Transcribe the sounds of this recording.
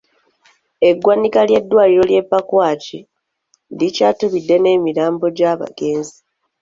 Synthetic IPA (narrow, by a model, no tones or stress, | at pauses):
e̞ɡwanikalje̞dːwaːliɾo̞lje̞pːakwaːci | licaːtuβidːe̞ne̞ːmiɾaːmbo̞ɟaːβa̰ɡ̥e̞ːnzi